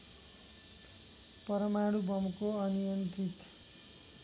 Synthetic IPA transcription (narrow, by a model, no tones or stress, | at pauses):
pʌɾʌmaɽubʱʌmkoʌnijʌnt̪it̪